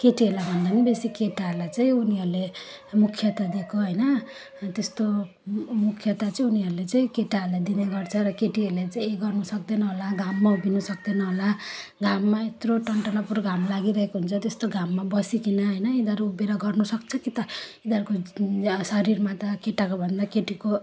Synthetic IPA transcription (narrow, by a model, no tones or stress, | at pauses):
keʈiɦʌlabʱʌnd̪anibesikeʈaɦəɾlajt͡saĩuniɦʌɾlemukʰjʌt̪ad̪ekʰoɦʌjnʌ | t̪est̪o | mukʰjʌt̪at͡saĩuniɦʌɾulet͡saĩkeʈaəɾlajd̪ineɡʌrt͡sʰʌɾʌkeʈiɦeɾlat͡saĩeɡʌrnusʌk̚d̪enʌɦolaɡʱamːaubʱinusʌkd̪enʌɦolaɡamːaet̪roʈʌɳʈʌnʌpuɾɡʱamlaɡiɾʌɦekoɦunt͡sʰʌt̪est̪oɡʱamːabʌsikinʌɦʌjnʌid̪ʱʌɾuːbeɾaɡʌrnusʌk̚t͡sʰʌkit̪ʌid̪ʱʌɾukosʌɾirmat̪ʌkeʈakobʱʌnd̪akeʈiko